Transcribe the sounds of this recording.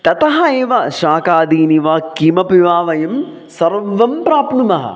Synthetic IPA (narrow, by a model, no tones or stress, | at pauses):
t̪ɐt̪ɐɦɐeːʋɐʃaːkaːd̪iːniʋɐkimɐpiʋaːʋɐjɐm | sɐɾʋɐmpɾaːpnumɐɦɐ̰